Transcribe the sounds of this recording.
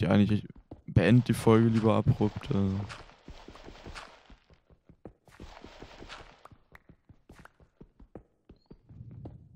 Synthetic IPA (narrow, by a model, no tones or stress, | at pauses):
çʔaɪŋɪçɪçb̥əɛndəd̥iːfɔlɡəliːbɐabʁ̥ʊptʰəː